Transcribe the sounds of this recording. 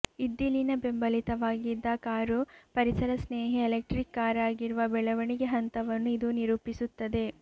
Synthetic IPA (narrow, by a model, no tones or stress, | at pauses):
id̪ːilinɐbe̞mbɐlit̪ɐʋaːɡid̪ːɐkaːɾupɐɾisɐɾɐsneːɦiːlek̚ʈɾikːaːɾaːɡiɾuʋɐbɛɭɐʋɐɳiɡe̞ɦɐnt̪ɐʋɐnːuid̪uniɾuːpisut̪ːɐd̪e̞